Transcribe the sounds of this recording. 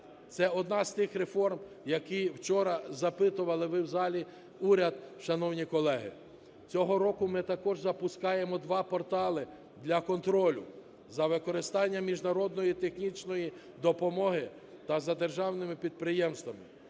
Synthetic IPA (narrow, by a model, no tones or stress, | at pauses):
t̪sɛɔd̪nɑz̥t̪ɪxɾefɔrm | jɐkiwt͡ʃɔɾɐzɐpɪt̪ʊʋɐlˠɪʋɪwzɑlʲi | uɾʲɐd̪̚ʃɐnɔwnʲikɔlˠɛɦɪ̰ | t͡sʲɔɦɔɾɔkʊmɪt̪ɐkɔʒzɐpʊskɑjemɔd̪ʋɑpɔrt̪ɑlˠɪ | d̪lʲɐkɔnt̪ɾɔlʲʊ̰ | zɐʋɪkɔɾɪst̪ɑnʲːɐmʲiʒnɐɾɔd̪̚nɔjit̪exnʲit͡ʃnɔji | d̪ɔpɔmɔɦɪ | t̪ɐzɐd̪erʒɑwnɪmɪpʲid̪̚pɾɪjɛmst̪ʋɐmɪ